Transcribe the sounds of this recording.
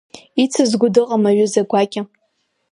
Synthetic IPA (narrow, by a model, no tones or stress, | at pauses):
it͡sʰɨzɡʷʊdɨqʼamaɥʊzaɡʷakʲʼa